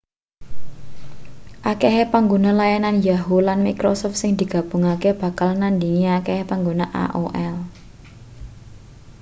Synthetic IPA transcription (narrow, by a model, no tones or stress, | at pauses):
ʔakeɦepaŋɡonalajananjaɦulanmikɾɔsɔft̪sɪŋd̪i̤ɡ̥ä̤b̥ʊ̤ŋakeb̥ä̤kalnand̪iŋiakehepaŋɡonaʔa̰ʔo̰ʔɛl